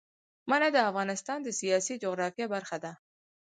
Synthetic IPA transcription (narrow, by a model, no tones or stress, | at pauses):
manad̪əafɣɑnɪst̪ɑnd̪əsijɑsid͡ʒʊɣɾɑfjabaɾxad̪a